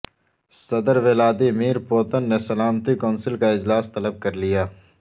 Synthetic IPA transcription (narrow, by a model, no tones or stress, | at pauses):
sɐd̪əɾʋeːlaːd̪imiːɾpoːt̪ənːesɐlaːmt̪ikɔːnsɪlkaɪd͡ʒlaːst̪ɐləb̚kɐɾlijaː